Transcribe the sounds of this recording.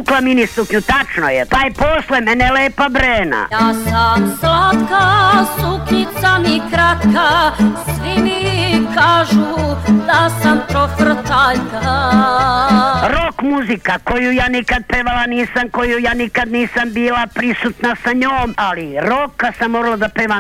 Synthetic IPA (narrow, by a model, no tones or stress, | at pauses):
klaminisukɲut̪at͡ʃnojet̪aːjposlˠemeneleːpabɾeːna̰jaːsamslat̪kasukɲit̪samikɾat̪kasʋimikaːʒud̪asamp̪ɾofr̩t̪aʎka | ɾo̞kmuzikako̞jujaːnikad̪̚peʋalaniːsamko̞jujaːnikad̪niːsambiːlapɾisut̪nasaɲoːmaliɾokasamːoɡlad̪apeːʋa